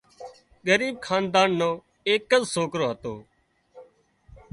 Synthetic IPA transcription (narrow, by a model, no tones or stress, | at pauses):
ɡəɾiːb̚kʰaːnd̪aːnːõː | eːkːəzsoːkɾoːɦət̪o̰ː